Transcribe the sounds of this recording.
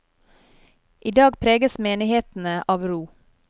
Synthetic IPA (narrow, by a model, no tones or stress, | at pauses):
ʔiːd̪ɑːɡpʰɾeːɡəsmeːnɪheːt̪n̩əʔɑːʋɾuː